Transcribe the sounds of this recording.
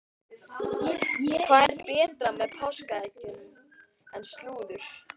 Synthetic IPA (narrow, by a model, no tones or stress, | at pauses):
kʰvaːðɛɾ̥pɛːt̪ɾamɛðpʰawskaɛcɪnm | ɛnst̪luːðʏɾ̥